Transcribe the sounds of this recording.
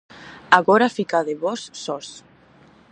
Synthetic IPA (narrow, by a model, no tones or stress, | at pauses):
aɣɔɾafikaðeβɔsːɔs